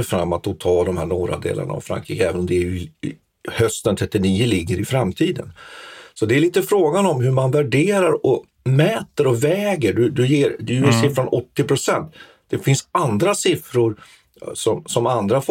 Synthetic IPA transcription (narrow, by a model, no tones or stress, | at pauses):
əfɾamːat̪ɔt̪ʰɑːd̪ɔmhæːɳoːɾa̰d̪ḛːla̰na̰ːvfɾa̰ŋkʰɾiːkəɛːvənɔmd̪ɛæɾjɵ | hœst̪ənt̪ʰɾɛt̪ːɪniːəlɪɡːəɾɪfɾamt̪ʰiːd̪ə̰nsɔd̪ɛːɾɭiːt̪əfɾoːɡanɔmɦɵɾmanvæɖeːɾaɾɔ | mɛːt̪əɾɔvɛːɡəɖɵd̪ɵjeːɾd̪ɛjɵɪsɪːfɾɔnɔt̪ːɪpʰɾʊsɛnt̪ | d̪̥ɛfɪnsand̪ɾasɪfɾʊɾ | sɔmsɔmand̪ɾaf